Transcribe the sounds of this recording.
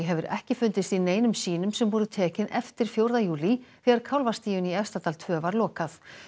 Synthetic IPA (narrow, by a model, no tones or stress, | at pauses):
ɦɛvʏɾɛ̰hcɪfʏnt̪ɪst̪ineːjnʏmsiːnʏmsɛmvɔːɾðʏt̪ʰɛːcɪnʔɛft̪ɪɾ̥fjowɾðajuːliθɛɣaɾkʰawlvast̪iːjʏniɛfst̪at̪alt̪ʰvœːvaɾlɔːkaθ